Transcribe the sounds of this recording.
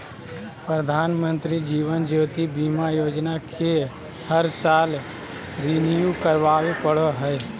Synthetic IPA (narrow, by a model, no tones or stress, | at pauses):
pɾəd̪ʱaːnmə̃nt̪ɾid͡ʒiːʋənd͡ʒoːt̪ibiːmajoːd͡ʒnakʰe | həɾsaːl | ɾɪnjukəɾʋaːwepəɽoɦɛe